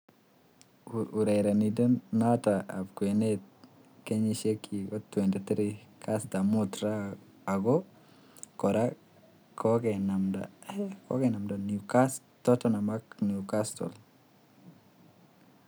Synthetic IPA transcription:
uɾɛjɾanidɔnnataa̰pkwenet̚ | keɲiʃekʰiɡɔtːwɛntit̪ɾikʰastamutɾa | aɡɔ | kɔɾa | kʰɔkɛnamda̰kɔ̰kɛnamdanukas | tɔtɔnamaknjukastɔ̰l

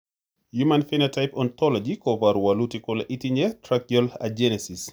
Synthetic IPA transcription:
jumanfinatʰaɪpɔ̃nt̪ɔlɔd͡ʒikɔvaɾwalutikʊlʔitiɲɛtʰɾakjɔla̰d͡ʒɛnɛsis

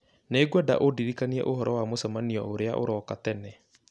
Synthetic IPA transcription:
neɡwɔda̰ʔodiɾikaniɛ̰ʔoɦɔɾɔwamosamaniɔoɾea̰ʔo̰ɾɔːkatɛnɛ

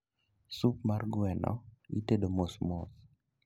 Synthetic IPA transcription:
sup̚marɡwɛnɔ̰iteɗomosmos

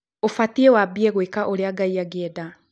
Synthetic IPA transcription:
ofatiewabiɛɣwekaʔoɾeaɡaiaɡeda

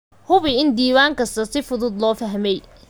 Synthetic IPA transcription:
hʊβɪɪnd̪iːwaːŋkʰɐst̪ʰɐsɪfʊðʊd̪lɔːfɐɦmɛj

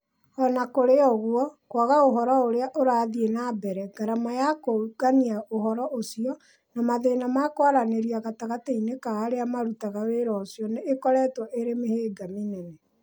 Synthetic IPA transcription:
ɔnakoɾeɔɣwɔkwaɣaoɦɔɾɔoɾeaʔoɾaːðienabɛɾɛɡaɾamajakoɡaniaʔohɔɾɔʔosiɔ | namaðenamakoaɾaneɾiaɣataɣateinekaːɾeamaɾutaɣaweɾɔosiɔneekɔɾɛːtwɔʔeɾemeheːɡaminɛnɛ

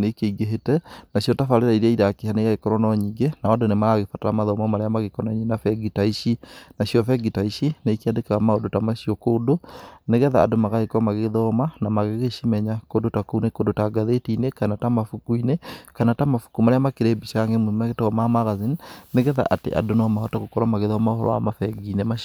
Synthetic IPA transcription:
nekeiɡeɦetɛnaɕjɔtafaleɾaiɾɛiɾakihaneɣaɣekɔɾɔnɔɲiːɡenaɔndonemaaɣefataɾamaðɔmamaɾeamaɣekɔnaɲenafɛɡitaiʃinaɕiɔfɛɡitaiʃinekiadekaɣamaodotamaʃiɔkoːdoneɣɛða̰ːdomaɣaɣekɔmaɣeðɔmanamaɣeɣeʃimɛɲakondotakonekondotaɡaðetinekanatamafukuinekanatamafu̥kumaɾeamakeɾeːbiʃaŋɡemoimaɣetaɔmamaɣazinneɣɛða̰ʔatḛʔa̰donɔmaɔtaɣokɔɾamaɣeðɔmaohɔɾɔ̰a̰mafɛɡinema

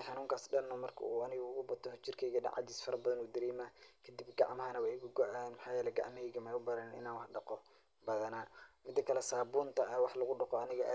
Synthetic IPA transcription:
ħɑnuːŋkʰaːsɖɐlnɔmɐrkʰɐ̰uːɐnɪɣɐʊɣʊbɐt̪ʰːɔht͡ʃɪrkʰɛjɣɐɖɐ̰ʕɑ̰d̪iːsfɐɾɐbɐðɐnuːd̪ɐɾiːmaːkʰɐd̪ɪbɡɑ̰ʕmɐɦɐnɐwɑɛɡʊɡɔʔanmħɑːjɛːlɛjɡɑ̰ʕmɐɛɣɐmɛʊbɐɾɐnnʔɪ̰naːnwɑħɖɐqɔ | bɐðɐnaːmɪd̪ːɐkʰɐlɛsaːbuːnt̪ʰɐɐwɑħlɐɣʊɖɐqɔɐnɪɣɐʔa̰

